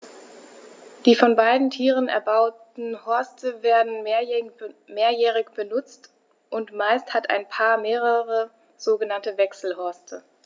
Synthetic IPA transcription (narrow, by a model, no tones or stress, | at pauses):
d̥iːfɔnbaɪdn̩tʰiːʁənɛ̰ɐbaʊtn̩hɔɐstəveːɐdn̩ | meːɐjɛːʁ̞ɪçb̥ənʊt͡st | ʔʊntmaɪsthatʰa̰ɪnpʰaːɐmeːʁ̞əʁə | z̥oːɡənantəvɛksl̩hɔɐstʰə